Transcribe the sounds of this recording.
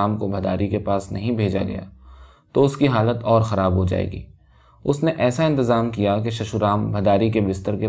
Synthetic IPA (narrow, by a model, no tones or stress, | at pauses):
aːmkobʱɐd̪aːɾikepaːsnɐɦĩbʱeːd͡ʒa̰ɡɐ̰ja̰ː | t̪oʊskiɦaːlət̪ɔːɾxɐɾaːbɦod͡ʒa̰ːḛːɡḭː | ʊsneʔɛːsaɪ̃nt̪ɪzaːmkijakeʃɐʃuɾaːmbʱɐd̪aːɾikebɪst̪əɾke